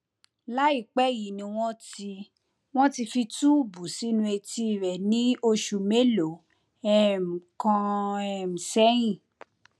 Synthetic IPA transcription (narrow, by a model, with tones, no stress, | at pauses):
la˦i˦˨k͡pɛ˦ji˨˦nĩ˧w̃ɔ̃˦ti˧ | w̃ɔ̃˦ti˧fi˧tu˦˨bu˨si˨˦nũ˧˦e˧ti˧˨ɾɛ˨nĩ˦o˧ʃu˨me˦lo˨ | ɛ˦m̩˨kã˧ɛ˧˨m̩˨sɛ˦j̃ĩ˦˨